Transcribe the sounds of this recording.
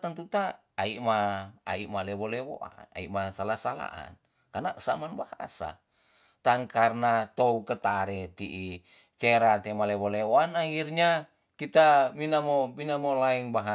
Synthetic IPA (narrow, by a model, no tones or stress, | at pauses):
t̪ənt̪ut̪aː | iʔmaa̰iʔmalewolewo̰ʔa̰na̰ḭʔmasalasala̰ʔa̰n | karnaʔəsamanbaha̰sa̰ | t̪aŋkarnat̪oukət̪aɾet̪iʔi | t͡ʃeɾat̪emalewolewoanahirɲa | kit̪aminamominamolaiŋbaɦa